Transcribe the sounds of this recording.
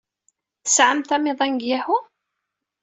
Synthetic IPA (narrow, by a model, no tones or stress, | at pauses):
θəsʕəmt̪æmɪðˤænɡjæhʊ